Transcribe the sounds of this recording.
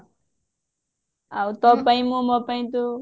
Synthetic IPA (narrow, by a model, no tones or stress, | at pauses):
aut̪ɔpãĩmõmɔpãĩt̪o